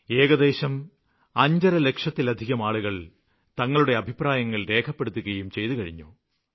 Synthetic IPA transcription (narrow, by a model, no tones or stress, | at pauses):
eːɣɐðe̞ːɕɐm | ɐɲd͡ʑɐɾɐle̞kʂɐt̪ːilɐd̪ʱiɣɐmaːɭuɣɐɭ | t̪ɐŋːɐɭuɽe̞ɐbʱipraːjɐŋːɐɭɾe̞ːkʰɐpːe̞ɽut̪ːuɣɐjumt͡ɕe̞jt̪ukɐɻiɲːo̰ː